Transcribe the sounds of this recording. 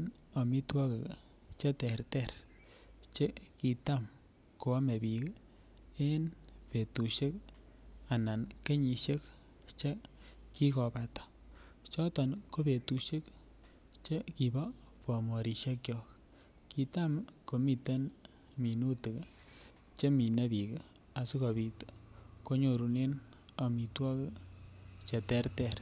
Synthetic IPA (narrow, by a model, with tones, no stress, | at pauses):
n | o˨mi˦twɔ˦ke˨k | t͡ʃe˦tɛ˨ɾtɛ˦˨ɾ | t͡ʃe˦ki˨ta˦m | ko˨a˦me˨bi˨k | e˦n | pe˨tu˨ʃe˦k | a˨na˨nke˦ɲi˨ʃe˦k | t͡ʃe˦ | ki˦kɔ˨pa˨tɔ̥˨ | t͡ʃɔ˦tɔ˨nko˦pe˨tu˨ʃe˦k | t͡ʃe˦ki˨ba˦ | pɔ˨mɔ˨ɾi˨ʃe˦kjɔ˨k | ki˨ta˦mko˨mi˨te˦n | mi˨nu˦tɨ˨k | t͡ʃe˦mi˨ne˦bi˨ka˨su˦ko˨βi˨t | ko˦ɲo˨ɾu˨ne˦n | a˨mi˨twɔ˦k | t͡ʃe˨tɛ˦rtɛɾ